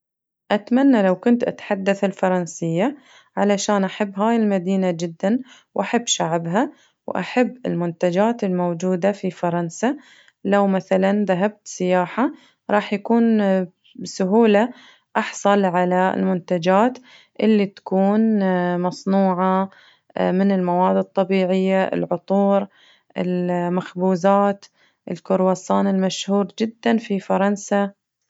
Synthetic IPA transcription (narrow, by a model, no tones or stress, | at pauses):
ʔat̪manːalawkʊnt̪ʔa̰t̪ħad̪ːaθɪlfɑɾˤɑnsɪjːa | ʕalaʃaːnʔaħabːɦaːjɪlmad̪iːnad͡ʒɪd̪ːanwʔaħabːʃaʕbɦa | wʔa̰ħabːɪ̰lmʊnt̪ad͡ʒaːt̪ɪlmowd͡ʒuːd̪afifɑɾˤɑnsa | lawmaθalanðaɦab̚t̪sɪjaːħa | ɾˤɑːħjakuːn | sʊɦuːla | ʔɑħsˤɑlʕalaɪ̰lmʊnt̪ad͡ʒaːt̪ | ʔɪlːit̪ḁkuːnmɑsˤnuːʕa | mɪnɪlmawaːd̪ɨt̪ˤːɑbiːʕɪjːaʔɪ̰lʕʊt̪ˤuːɾ | ʔɪ̰lmaxbuːzaːt̪ | ʔɪlkʊɾwasɑːnɪlmaʃhuːɾd͡ʒɪd̪ːanfifɑɾˤɑnsa